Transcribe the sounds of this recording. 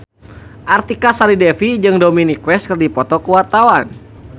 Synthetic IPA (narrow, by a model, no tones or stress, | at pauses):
ʔart̪ikasalidɛfid͡ʒɨŋdominikwɛst̪̚kɨrdipɔt̪ɔkəwart̪awan